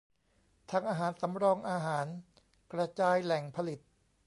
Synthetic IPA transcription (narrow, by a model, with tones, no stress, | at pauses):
t̪ʰaː˧ŋʔaː˧ɦaː˩˦nsa˩˦mɾɔː˧ŋʔaː˧ɦaː˩˦n | kɾa˧t͡ɕaː˧jlɛ˨˩ŋpʰa˧li˨˩t̪̚